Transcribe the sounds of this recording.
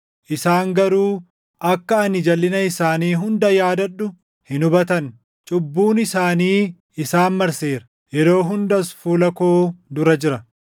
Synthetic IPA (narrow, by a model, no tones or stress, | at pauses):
ʔɪsaːŋɡɐɾuː | ʔɐkːɐɐnɪd͡ʒɐlːɪnɐɪsaːniːɦʊnd̪ɐjaːd̪ɐᶑːʊ | hɪnʊbɐt̪ɐn | t͡ʃʼʊbːuːnɪsaːniː | ɪsaːnmɐɾseːɾɐ̥ | jɛɾo̞ːɦʊnd̪ɐsfuːlɐkoːd̪ʊɾɐd͡ʒɪɾɐ